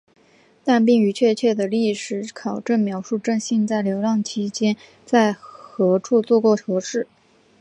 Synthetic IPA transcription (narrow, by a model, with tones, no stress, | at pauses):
t̪a˥˧np̬i˥˩ŋy˧˥t͡ɕʰɥɛ˥˧t͡ɕʰɥɛ˥˩d̪ə˩li˥˩ʂɻ̩˧˥kʰɑ˨˩ʊʈ͡ʂə˥˩nmjɑ˧˥ʊʂu˥˧ʈ͡ʂɤ˥˧ŋɕi˥˧nt͡sa˥˩ɪljo˧˥ʊlɑ˥˩ŋt͡ɕʰi˥t͡ɕjɛ˥n | t͡sa˥˩ɪxɤ˧˥ʈ͡ʂʰu˥˧t͡swɔ˥˧kwɔ˥˩ʈ͡ʂʰɤ˧˥ʂɻ̩˥˩